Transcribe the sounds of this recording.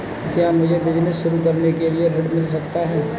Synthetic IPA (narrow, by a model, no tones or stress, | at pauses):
kjaːmʊd͡ʒʱebɪd͡ʒnɪsʃʊɾukɐɾnekelieɾɐɖmɪls̬ɐk̚t̪aɦɛː